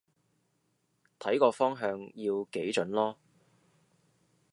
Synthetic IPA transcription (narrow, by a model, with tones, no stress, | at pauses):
t̪ʰɐ˨˥jkɔː˧fɔː˥ŋɦœː˧ŋjiː˧wke˨˥jt͡ʃɵ˨˥nlɔː˥